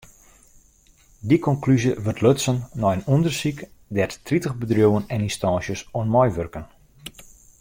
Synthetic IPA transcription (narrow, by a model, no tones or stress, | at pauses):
dikɔnklyzjəʋərtʰløtsənːɔjənundərsikdɛrttritəɣbədrjowənɛninstɑːnsjəsonmɔjʋørkən